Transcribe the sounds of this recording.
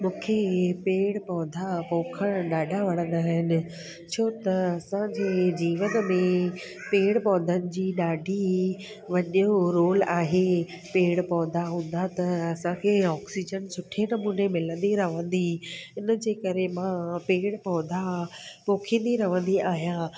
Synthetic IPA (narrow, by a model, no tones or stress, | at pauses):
mũːkʰepeːɽpɐʋə̃nd̪apoːkʰəɽ̃ɗaːɖʱaʋɐɽ̃ə̃nd̪aːɦɪnɪ̆ | t͡ɕʰoːt̪ɐɐsãd͡ʑeːd͡ʑiːʋənmẽ | peːɽpɐʋ̃nd̪ənɪ̆d͡ʑiːɗaːɖʱi | ʋɐʄoɾoːlaːɦe | peːɽpɔʋ̃nd̪aɦũːn̆d̪at̪ɐɐsãkʰeːɔːksid͡ʑənsʊʈʰenɐmuːnemɪlə̃n̆d̪iɾɐʋə̃nd̪iɪnəd͡ʑeːkɐɾemãpeːɽpɔə̃nd̪apoːkʰĩːn̆d̪iɾɐʋə̃nd̪iʔaːɦijã